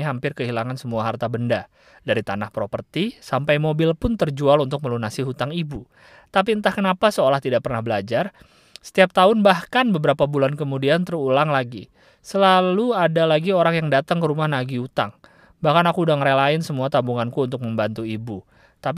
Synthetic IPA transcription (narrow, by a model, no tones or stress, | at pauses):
ɦampɪrkəɦilaŋansəmuaɦart̪abənda | daɾit̪anahpɾopərt̪isampajmobɪlpʊnt̪ərd͡ʒualunt̪ʊk̚məlunasiɦut̪aŋibu | t̪ap̬iənt̪ahkənapasəolaht̪idaʔ̚pərnahbəlad͡ʒar | sə̥t̪iap̚t̪aʊnbahkanbəbəɾapabulankəmudiant̪ərulaŋlaɡi | səlaluadalaɡioɾaŋjaŋdat̪aŋkəɾumahnaɡiut̪a̰ŋ | bahkanakuːdaŋəɾelaɪnsəmuat̪abuŋankuːnt̪ʊk̚məmbant̪uibu | t̪ap